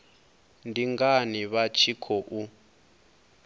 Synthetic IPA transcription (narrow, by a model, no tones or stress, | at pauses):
ndiŋɡaniβat͡ʃʰikʰɔʔu